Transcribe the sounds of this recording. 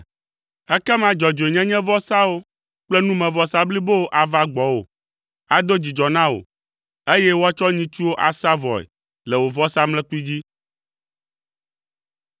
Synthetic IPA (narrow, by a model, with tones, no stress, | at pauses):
ɛ˦kɛ˦m˦ã˨d͡ʒɔ˨d͡ʒo˨e˨ɲɛ̃˦ɲɛ̃˦vɔ˦sa˦wo˦ | k͡plɛ˦nũ˦mɛ̃˨vɔ˦sa˦bli˦bo˦o˦ʔa˨va˦ɡ͡bɔ˨wo̰˨ | a˨d̪o˦d͡ʑi˨d͡ʒɔ˨nã˦wo̰˨ | e˦jɛ˦wo˦a˦t͡ʃɔ˦ɲĩ˦t͡ʃu˦wo˦ʔa˨sa˦vɔ˨ɛ̰˨ | lɛ˨wo˨vɔ˦sa˦mlɛ̃˦ku˦i˦d͡ʑi˦